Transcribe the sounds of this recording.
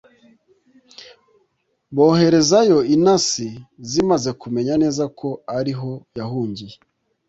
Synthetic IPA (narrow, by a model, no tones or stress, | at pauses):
bo̞ːɦe̞ɾe̞zajo̞inasizimaze̞kume̞ɲane̞ːzakʰo̞aɾiɦo̞jaɦuːɲɟije